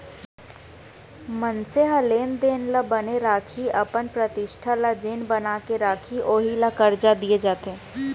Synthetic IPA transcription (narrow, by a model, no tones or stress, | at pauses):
mənseɦəleːnd̪eːnlabɐneɾaːkʰiɐpənpɾət̪ɪʃʈʰalad͡ʒeːnbənaːkeɾaːkʰioːɦilakɐɾd͡ʒad̪ied͡ʒaːt̪eɦẽ